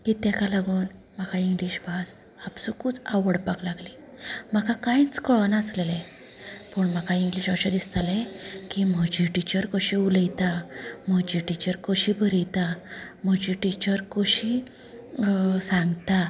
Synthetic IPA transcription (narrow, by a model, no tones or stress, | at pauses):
kit̪ekalaɡuːn | m̤akaiŋɡliɕbʱas | apsukuːt͡saʋəɽpaklaɡli | m̤akakãjt͡skɔɭənaəslele | pəɳm̤akaiŋɡliɕaɕad̪ist̪alekim̤əd͡ʑiʈit͡ɕəɾkoɕiuləjt̪am̤əd͡ʑiʈit͡ɕəɾkoɕibʱəɾijt̪am̤əd͡ʑiʈit͡ɕəɾkoɕi | sãŋɡt̪a